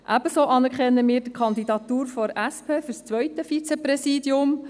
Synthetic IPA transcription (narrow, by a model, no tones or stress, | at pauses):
ʔæb̥əsoːʔɑnɛɾkɛnːəmiːɾd̥əkʰɑnd̪id̪ɑt̪uːɾfɔɾʔæspʰeːfyɾst͡sʋœʏt̪əfit͡sɛpɾɛsiːd̪jʊm